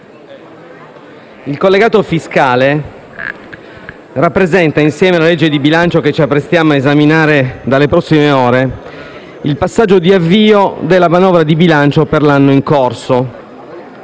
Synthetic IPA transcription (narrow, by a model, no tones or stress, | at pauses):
ilkolːeɡaːt̪ofiskaːle | rapːɾezɛnt̪ainsjɛːmelaled͡ʒːed̪ibilant͡ʃoket͡ʃːiapːɾest̪jaːmoaezaminaːɾed̪alːepɾɔsːimeoːɾe | ilpasːad͡ʒːod̪iavːiːod̪elːamanɔːvɾad̪ibilant͡ʃoperlanːoiŋkorso